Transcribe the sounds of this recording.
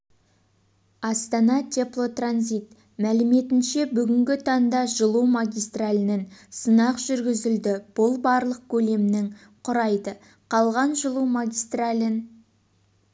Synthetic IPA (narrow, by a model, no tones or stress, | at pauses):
ɑst̪ɑnɑt̪ʲʰe̞plˠo̞t̪ranzijt̪̚ | mælɪme̞t̪ɪnʃe̞bʏɡʲɪŋɡʲɪt̪ʰɑnd̪ɑʒəlˠumaɡʲijst̪ralʲɪnənsənɑqʒ̥ʏɾɡʲɪzɪld̪ɪb̥ʊlˠbɑɾlˠəq̚kʲʰɵle̞mnɪŋ | qʰʊɾɑjd̪ə | qʰɑlˠʁɑnʒəlˠuwmaɡʲijst̪ralʲɪn